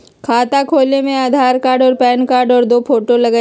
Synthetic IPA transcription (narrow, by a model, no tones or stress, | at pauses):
kʰaːt̪akʰoːlnemẽaːd̪ʱaːɾkaːɾɖɔːɾpɛːnkaːɾɖɔːɾd̪oːpʰoːʈolɐɡə